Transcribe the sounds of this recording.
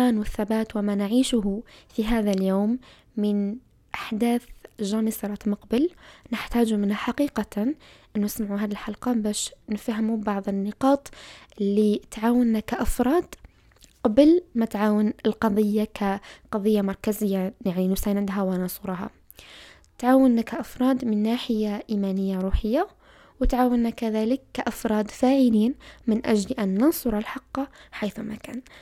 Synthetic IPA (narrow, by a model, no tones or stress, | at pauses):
aːnwɪθːabaːt̪wɪmanɪʕiːʃʊɦfiɦaːðaljoːmː | ɪn | ʔaħd̪aːθʒaːmɪsɑɾˤɑt̪mʊqbɪlnɪħt̪aːd͡ʒumɪnhaħaqiːqaʔɪnːʊnɪsmaʕuɦaːðilħalqɑbaːʃnɪfhɪmubɑʕðˤɪnːɪqɑːt̪ˤʔɪlːit̪ʕaːwɪnːakaʔafɾˤɑːd̪ | qɑblmat̪ʕaːwɪnɪlqɑðˤɨjːakaqɑðˤɨjːamɑɾˤkazɪjːajaʕninʊsaːnad̪ɦawɪnɑsˤʊɾˤɦɑ̰ | t̪ʕaːwɪnːakaʔafɾˤɑːd̪mɪnːaːħɪjaʔiːmaːnɪjːaɾuːħɪjːa | wɪt̪ʕaːwɪnːakaðaːlɪkːaʔafɾˤɑːd̪faːʕɪliːnmɪnʔad͡ʒlʔanːɑnsˤʊɾˤɪlħɑqːɑħajθuma̰ka̰ːn